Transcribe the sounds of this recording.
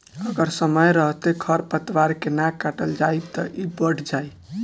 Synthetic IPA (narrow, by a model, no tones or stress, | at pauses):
əɡəɾsəməjɾəɦt̪ekʰəɾpət̪ʋaɾkenakaʈəld͡ʒajb̚t̪əʔibəɽ̤ʰd͡ʒaj